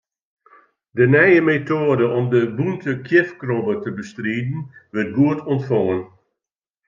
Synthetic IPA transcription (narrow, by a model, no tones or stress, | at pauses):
dənɛjəmetoədəʔɔmdəbuntʰəkʰjɪfkrɔbətəbəstriːdn̩ʋərt̚ɡuətʰɔntfɔŋən